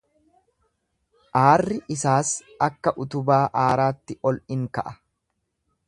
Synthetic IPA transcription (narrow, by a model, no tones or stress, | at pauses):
ʔaːrːɪʔɪsaːs | ɐkːɐʔʊt̪ʊbaːʔaːɾaːt̪ːɪʔɔlʔɪŋkɐʔɐ